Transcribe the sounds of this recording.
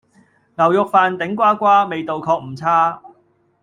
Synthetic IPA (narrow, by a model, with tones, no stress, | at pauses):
ŋɐ˨˩wjʊ˨k̚faː˨˧nt̪ɪ˨˥ŋkʷwaː˥kʷaː˥me˨˧jt̪o˨wkʰɔː˧k̚m̩˨˩t͡sʰaː˥